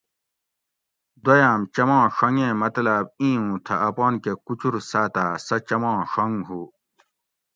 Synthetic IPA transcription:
d̪ɐjaːmt͡ɕɐmãːʂɐŋɡẽːmɐt̪lab̚ĩːũːt̪ʰɐɐpɑːnkekut͡ɕʰuɾsaːt̪aːsɐt͡ɕɐmɑ̃ːʂɐŋɡɦuː

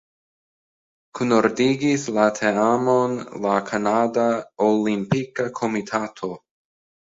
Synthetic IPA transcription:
kʰunoɾdiɡislatʰeamonlakʰanadaolimpikakʰomitʰatʰo̞

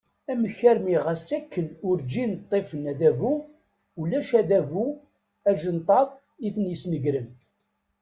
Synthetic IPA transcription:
æməçːæɾmiʁæsækːənʊɾd͡ʒint̪ˤːefənæðævu | ulæʃæðævu | æʒənt̪ˤɑðˤ | iθnjəsnəɡɾən

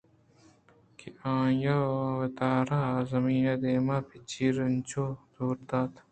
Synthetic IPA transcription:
kiʔãːjɐwɐt̪aːɾazɐmiːnɐd̪eːmaːpʰit͡ɕʰiːɾɐnt͡ʃoːd̪oːɾd̪aːt̪

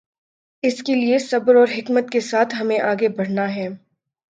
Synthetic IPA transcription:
ɪskeliesɐbɾɔːɾɦɪkmət̪̚kesaːt̪ʰɦɐmẽʔaːɡebɐɽ̤naɦɛː

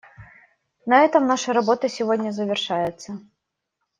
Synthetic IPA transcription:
nɐɛt̪ɐmnaʂɐɾabɔt̪ɐsʲɪvɔdʲnʲɐzɐvʲɪrʂajɛt̪sːɐ

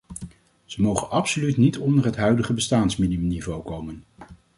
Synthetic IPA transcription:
z̥əmowχənʔɑpsolytnitɔndərɦətɦœɥdəχəbəstaːnsminimnivowkowmən

